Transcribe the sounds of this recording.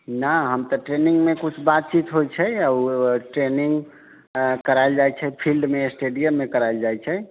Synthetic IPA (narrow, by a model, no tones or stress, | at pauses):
naɦəmt̪ɔʈɾeniŋɡmekut͡ʃʰbat̪̚t͡ʃit̪ɦojt͡ʃʰɛəʈɾeniŋɡ | kəɾaeld͡ʒajt͡ʃʰɛpʰilɖmesʈeɖijəmːekəɾaeld͡ʒajt͡ʃʰɛ